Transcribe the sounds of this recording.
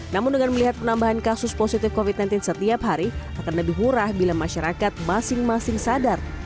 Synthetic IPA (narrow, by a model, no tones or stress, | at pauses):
namʊndəŋanməliɦat̪̚pənambaɦankasʊsposit̪ɪfkofit̪̚najnt̪ɪnsət̪iapɦaɾiakanləbɪhmuɾahbilamːaʃaɾakat̪̚masɪŋmasɪŋsadar